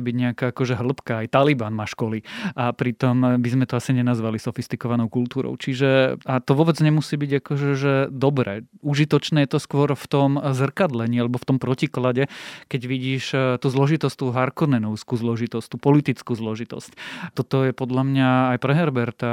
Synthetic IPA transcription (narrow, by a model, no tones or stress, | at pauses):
ɛbiɟɲɛakaːakɔʒɛɦl̩pkaːjt̪alibanmaːʃkɔliʔapɾit̪ɔmbizmɛt̪ɔasiɲɛnazʋalisɔfist̪ikɔʋanɔʊkult̪uːɾɔ̰ʊt͡ʃiʒɛat̪ɔʋɔbɛd͡zɲɛmusiːbiɟakɔʒɛʒɛd̪ɔbɾɛ̰ːuʒit̪ɔt͡ʃnɛːjɛt̪ɔskʊɔɾft̪ɔmzr̩kad̪lɛɲiːalɛbɔft̪ɔmpɾɔciklaɟɛkɛɟʋiɟiːʃt̪uːzlɔʒit̪ɔsct̪uːɦaɾkɔnɛnɔʊskuːzlɔʒit̪ɔst̪uːpɔlit̪it͡skuːzlɔʒit̪ɔ̰sct̪ɔt̪ɔjɛpɔd̪lamɲaːjpɾɛɦɛɾbɛɾt̪a